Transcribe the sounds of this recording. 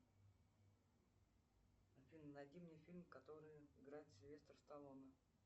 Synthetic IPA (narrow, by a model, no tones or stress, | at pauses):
əfʲilʲmnɐdʲimnʲɪjfʲilʲmkɐt̪oɾɨjɪɡɾajɪt̪səvʲest̪ərst̪ɐlˠonə